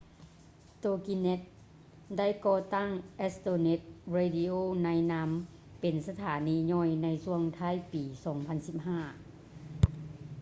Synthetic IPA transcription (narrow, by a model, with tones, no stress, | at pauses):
t̪oː˧ki˧ne˦˥t̪̚ | da˥˩jkɔː˧t̪a˥˩ŋʔɛ˦˧˥st̪oː˧ne˧˦˥t̪̚ɾeː˧di˧ʔoː˧˩˨na˧˥jna˧˥m | pe˨nsa˧t̪ʰaː˩˦niː˧ɲɔː˧˥˩jna˧˥jsu˧˥˧əŋt̪ʰa˧˥˨jpiː˨˩sɔː˩˦ŋpʰa˧˥˨nsi˧˩p̚haː˥˩